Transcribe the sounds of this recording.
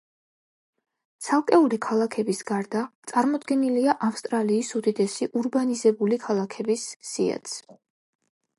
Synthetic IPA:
t̪sʰalˠkʼɛulikʰalˠakʰɛbisɡaɾd̪at̪sʼaɾmɔd̪ɡɛniliaʔafst̪ʼɾaliːsud̪it̪ʼɛsiʔuɾbanizɛbulikʰalˠakʰɛbisːia̰t̪s

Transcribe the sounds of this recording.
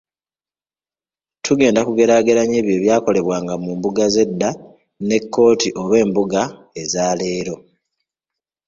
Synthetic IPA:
tʰuɡe̞ːndakuɡe̞ɾaːɡe̞ɾaɲe̞ːβje̞ːβjaːko̞le̞βwaːŋɡamumbuɡaze̞dːa | ne̞kːo̞ːtiʔo̞βe̞ːmbuɡa | e̞zaːle̞ːɾo̞

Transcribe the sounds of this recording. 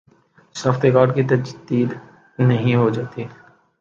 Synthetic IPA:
sɔːft̪ekaːɾɖkit̪̬ɐd͡ʒd̪iːd̪ | nɐɦĩɦod͡ʒaːt̪i

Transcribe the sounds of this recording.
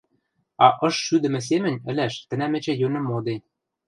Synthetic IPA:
ɑʔɤ̆ʃʃyd̪ə̆mɘ̆s̬emɘ̆nʲɘ̆lʲæʃt̪ɘ̆næmɘ̆t͡ɕĕjønɤ̆mːod̪enʲ

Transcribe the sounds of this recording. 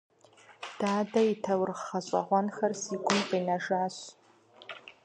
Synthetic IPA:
d̥aːdaitʰawrχaɕʷʼa̰ʁʷanxarsiɡʷʊnqʼinaʐaːɕ

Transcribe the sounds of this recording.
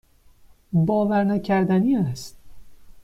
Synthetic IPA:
bɒːvæɾnæcʰæɾd̪æniːæst̪̚

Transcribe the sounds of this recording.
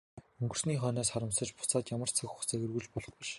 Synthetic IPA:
ɵŋɡɵ̆r̥sniːχœːnɔːsχaɾə̆msə̆t͡ɕpʊ̥t͡saːt̪jamə̆r̥t͡sʰɵxu̥xt͡sæɣɘ̆rɣuɮpɔɮɞ̆χpĭʃ

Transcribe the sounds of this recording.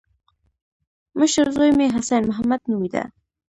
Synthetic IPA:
məʃəɾzojmeɦasanmʊɦamad̪nuwid̪a̰

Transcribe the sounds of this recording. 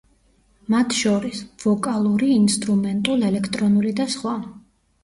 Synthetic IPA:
mat̪ʰʃɔɾisvɔkʼalˠuɾiːnst̪ʼɾumɛnt̪ʼulɛlɛkʰt̪ʼɾɔnulid̪asχwa

